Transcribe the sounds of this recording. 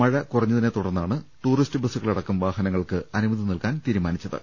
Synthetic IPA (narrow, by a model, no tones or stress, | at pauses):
ɐɻɐkurɐɲːɐðinet̪uɽɐrnːaːɳɨʈuːristɨbɨsuɣɐɭiɽɐkːumʋaːɦɐnɐŋːɐɭkɨɐnumɐðinilkaːnt̪iːɾumaːnit͡ɕːɐðɨ̰